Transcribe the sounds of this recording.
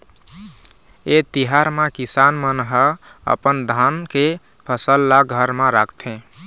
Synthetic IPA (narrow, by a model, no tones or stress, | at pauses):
et̪iɦaɾmẽkisanmənɦəə̰pənd̪ʱanke | pʰəsəlːaɡʱəɾmẽɾa̰kʰt̪ʰẽ